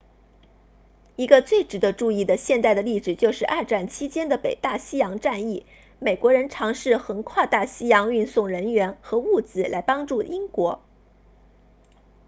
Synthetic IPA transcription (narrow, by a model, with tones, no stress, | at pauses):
i˧˥ɡə˧t͡swe˥˩ɪʈ͡ʂɻ̩˨˩d̪ə˧˦ʈ͡ʂu˥˧i˥˩d̪ə˩ɕjɛ˥˧nt̪a˥˩ɪd̪ə˩li˥˩ʈ͡ʂɻ̩˨˩t͡ɕjo˥˧ʊʂɻ̩˥˧ʔa˥˧ʈ͡ʂa˥˩nt͡ɕʰi˥t͡ɕjɛ˥nd̪ə˨pe˨˩ɪt̪a˥˩ɕi˥jɑ˧˥ŋʈ͡ʂa˥˧ni˥˩ | me˨˩ɪkwɔ˧˥ɻə˧˥nʈ͡ʂʰɑ˧˥ŋʂɻ̩˥˩xə˧˥nkʰwa˥˧t̪a˥˩ɕi˥jɑ˧˥ŋy˥˧nsʊ˥˩ŋɻə˧˥nɥɛ˧˥nxɤ˧˥u˥˩t͡sɹ̩˧˩la˧˥ɪpɑ˥ŋʈ͡ʂu˥˩ʔi˥ŋkwɔ˧˥